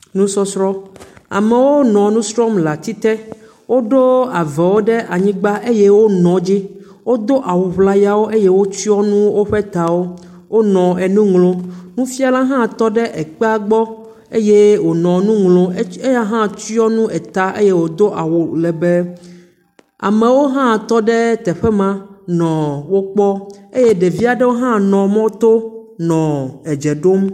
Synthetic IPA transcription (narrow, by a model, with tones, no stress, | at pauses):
nũ˦sɔ˦sɾɔ˦a̰˨mẽ˨wo˦nɔ̃˨nũ˦sɾɔ˦mla˨t̪i˦t̪ɛ˦ | wo˦ɖo˦a˨vɛ˨wo˦ɖɛ˦ʔa˨ɲĩ˦ɡ͡ba˦ʔe˦je˦wo˦nɔ̃˨d͡ʑi˦ | wo˦d̪o˦ʔa˨wo˨ɸla˦ja˦wo˦ʔe˦je˦wo˦t͡ʃi˦ɔ˦nũ˦wo˦ɸe˦t̪a˨wo˦ | wo˦nɔ̃˨ɛ˨nũ˦ŋlõ˦nũ˦fi˦a˦la˦ɦã˦˨t̪ɔ˦ɖɛ˦ʔɛ˨k͡pɛ˦a˦ɡ͡bɔ˦ | e˦je˦wo˨nɔ̃˨nũ˦ŋlõ˦e˦ja˦ɦã˦t͡ɕi˦ɔ˦nũ˦ɛ˨t̪a˦ʔe˦je˦wo˨d̪o˦ʔa˨wo˨lɛ˨bɛ˦ | a̰˨mẽ˨wo˦ɦã˦˨t̪ɔ˦ɖɛ˦t̪ɛ˨ɸɛ˦mã˦nɔ̃˨wo˦k͡pɔ˦e˦je˦ɖe˨vi˦a˨ɖɛ˦wo˦ɦã˦nɔ̃˨mɔ̃˦t̪o˦nɔ̃˨ɛ˨d͡ʒɛ˨ɖo˦m